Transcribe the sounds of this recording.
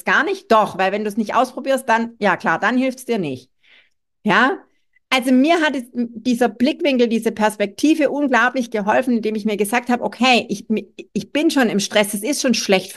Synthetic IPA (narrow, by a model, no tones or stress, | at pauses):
sɡ̥aːɐnɪçt̚d̥ɔχvaɪlvɛnduːsnɪçtʔa̰ʊspʁ̥obiːɐst̚d̥anjaːkl̥aːɐd̥anhɪlftsd̥iːɐnɪçt | jaː | ʔalzomiːɐɦatd̥iːzɐb̥lɪkv̥ɪŋkl̩diːzəpʰɛɐspɛk̚tʰiːvəʔuːnɡlaʊplɪçɡ̥əɦɔlfn̩ɪndeːmɪçmiːɐɡəzaːk̚thaːbəʔokʰɛɪʔɪçmɪçb̥ɪnʃoːnɪmʃtʁ̥ɛsd̥asɪstʃoːnʃlɛçt